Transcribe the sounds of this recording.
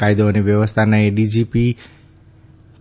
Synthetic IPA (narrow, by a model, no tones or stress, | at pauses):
ajd̪oɦonebjʌwʌst̪ʰanʌjɖid͡zipi